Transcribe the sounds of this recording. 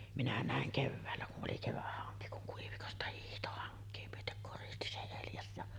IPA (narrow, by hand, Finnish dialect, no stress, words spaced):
minæ næˑeŋ keʋːæːlːæ kuʔ ʔoli keʋæhːɑŋki kuŋ kuiʋikostɑ hiːhto hɑŋkˑeː myøtek koristi se eljɑs jɑ